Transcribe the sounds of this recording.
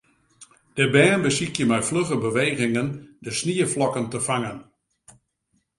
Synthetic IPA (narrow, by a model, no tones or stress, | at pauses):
d̥əbɛːnbəsikjəmɛjfløɣəbəʋeːɣɪŋəndəsniəflɔkəntəfaŋən